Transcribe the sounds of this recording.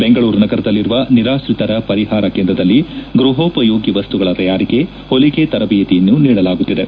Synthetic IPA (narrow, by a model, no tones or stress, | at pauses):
be̞ŋɡɐɭuːɾnɐɡɐɾɐd̪ɐlːiɾuʋɐniɾaːʃɾit̪ɐɾɐpɐɾiɦaːɾɐkeːnd̪ɾɐd̪ɐlːiɡɾuɦoːpɐjoːɡiʋɐst̪uɡɐɭɐt̪ɐjaːɾike̞ | holiɡet̪ɐɾɐbijɐt̪ijɐnːuniːɽɐlaːɡut̪ːid̪e̞